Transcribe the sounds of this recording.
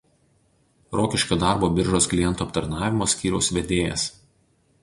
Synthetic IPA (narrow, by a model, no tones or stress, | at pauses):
ɾoːkʲɪʃʲkʲoːd̪ɑˑɾboːbʲɪɾʒoːsklʲɪjɛnt̪uːɐpt̪ɐɾnɑːʋʲɪmoːsʲkʲiːɾʲɛʊsʋʲɛd̪ʲeːjɛ̰s